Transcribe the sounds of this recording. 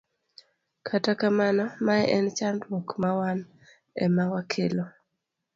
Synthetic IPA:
kʰatakamanɔmaɛʔɛnt͡ʃandwokmawan | ɛ̰mawakʰelo

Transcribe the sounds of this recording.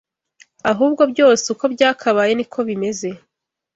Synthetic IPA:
aɦuːbɡo̞bɟo̞ːseuko̞bɟaːkʰaβaje̞nikʰo̞βime̞ze̞

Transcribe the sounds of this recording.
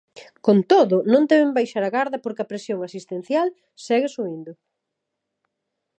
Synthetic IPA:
kont̪oðʊnõnd̪ɛβɪmbajʃaɾɐɣaɾðɐpoɾkɐpɾesjoŋasist̪en̟θjal | sɛɣɪsuind̪ʊ

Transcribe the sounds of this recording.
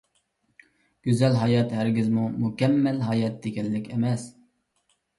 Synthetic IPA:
ɡ̥ʲyzɛlɦɑjɑt̪hæɾɡʲizmumukʲɛmːɛlɦɑjɑt̪̚d̪eɡʲɛlːɪkʲʰɛmɛs

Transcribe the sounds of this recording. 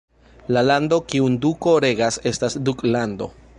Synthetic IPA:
lalando̞kiunduko̞ɾe̞ɡase̞stasduklando̞̰

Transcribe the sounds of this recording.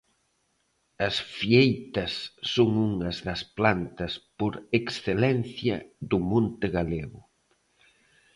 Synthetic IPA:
ɐsfiejt̪ɐsːoŋuŋɐzðɐsplant̪ɐspoɾeksθelɛnθjɐ̰ðʊmõnt̪ɪɣaleɣʊ̰

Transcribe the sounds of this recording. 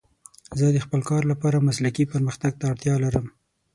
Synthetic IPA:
zəd̪əxpəlkɑɾlapɑɾamaslakipəɾməxt̪aɡ̚t̪aːɽt̪jɑlaɾəm

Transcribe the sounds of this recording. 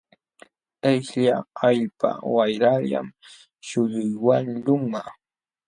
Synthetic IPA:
eʃʎaaʎpa̰wajɾaʎa̰m | ʃʊʎʊjwanʎʊma

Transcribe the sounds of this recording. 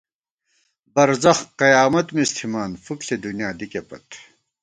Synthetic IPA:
bɐɾzɐxqɐjaːmɐt̪mist̪ʰimaːnfukɬed̪unjaːd̪ikepɐ̰t̪

